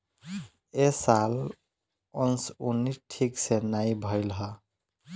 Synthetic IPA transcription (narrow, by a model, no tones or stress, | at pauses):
esal | ɔnsunːiʈʰiksenaibʱəjlɦʌ